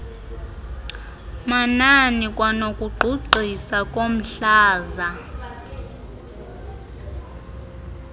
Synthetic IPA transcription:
mananikʼwanokʼuɡ͡ǃʱuǃʱisakʼom̩ɬaːza

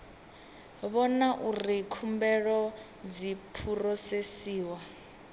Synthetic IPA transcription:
βɔnaʔurikʰumbɛɺɔ | d͡zipʰurɔsesiːwa

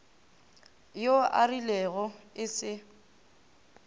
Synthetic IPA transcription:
joarilɛɣɔɪsɪ

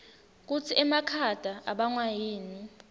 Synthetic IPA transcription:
k̬ut͡sʰiɛmakʰad̥ʱaʔaɓaŋwajiːni

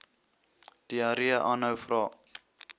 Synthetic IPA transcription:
d̥iɐɾiəʔɑːnɦəwfrɑː

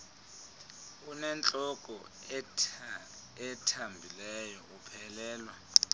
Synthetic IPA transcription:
unɛnt͡ɬʼɔk̬ʼɔ | ɛtʰambʱilɛjɔʔupʰɛlɛːlwa

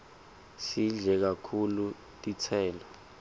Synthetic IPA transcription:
siɮɛk̬akʰulu | tʼit͡sʰɛːlɔ

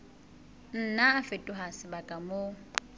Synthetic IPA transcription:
n̩naːfɪtʼʊɦasɪbakʼamo

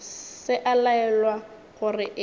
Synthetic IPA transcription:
sɪʔalaɛlwa | ɣʊrɪʔ

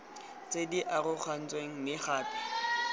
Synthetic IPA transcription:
t͡sʼediʔarʊk͡xʰan̩t͡sʼweŋ̩mɪχaːpɪ̥

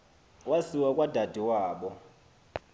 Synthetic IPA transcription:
wasiwakʼwad̥ʱad̥ʱiwaːɓɔ

